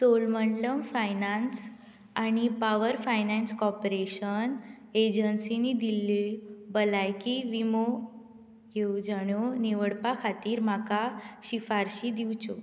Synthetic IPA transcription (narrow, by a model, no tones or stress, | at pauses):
solməɳləmfajnãns | añipaʋəɾfajnãnskɔpɾeɕən | ed͡ʑənsinid̪ilebəlajkiʋimo | ɡeud͡zaɽ̃oniʋəɽpakʰat̪iːɾm̤akaɕifaɾɕid̪iwt͡ɕo